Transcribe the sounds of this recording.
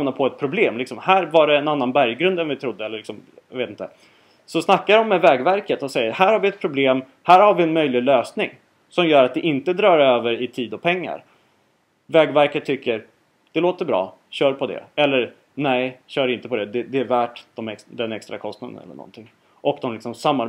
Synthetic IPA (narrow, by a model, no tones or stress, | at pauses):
napʰɔɛt̪̚pʰɾʊbleːmlɪksɔmhæːɾvaɖɛːnanːanbæɾjɡɾɵnd̪ɛnvɪt̪ʰɾʊd̪ːəɛlːəɭlɪksɔm | j̰veːt̪ɪnt̪ə | sɔsnakːaɾɔmːɛvɛːɡvæɾkət̪ɔsɛjːəɾhæːɾhaɾvɪɛt̪̚pʰɾʊbleːm | hæːɾhaɾvɪɛnmœjlɪløːsnɪŋ | sɔmjœːɾat̪̚d̪ɛʔɪnt̪əd̪ɾœːɾøːvəɾɪt̪ʰiːd̪ɔpʰɛŋːa̰ɾ | vɛːɡvæɾkət̪ʰːʏkːəɾ | d̪̥ɛloːt̪əɾbɾɑ̰ː | ɕœːɾpʰɔd̪ɛ̰ɛlːəɾ | nɛjɕœːɾɪnt̪əpʰɔd̪ɛd̪ɛd̪ɛævæːʈd̪̥ɔmɛkd̪ɛnɛkst̪ɾa̰kʰɔst̪nad̪ə̰nɛ̰lːə̰ɳʔɔ̰nt̪ʰɪŋ | ʔɔkd̪ɔmlɪksɔmsamːa